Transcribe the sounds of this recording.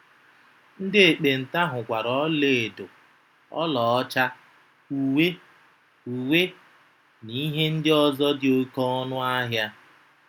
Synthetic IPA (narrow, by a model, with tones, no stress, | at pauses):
n̩˦dɪ˦e˨k͡pe˨n̩˨ta˦ɦʊ˨kʷa˨ɾɔ˦le˨do˨ | ɔ̰˦lɔ˨ɔ˦t͡ʃa˦ | u˨we˦ | u˨we˦ | ni˦ɦe˦n̩˦dɪ˦ɔ˦zɔ˦dɪ˨o˦kɔ˦nʊ˦a˦ɦja˦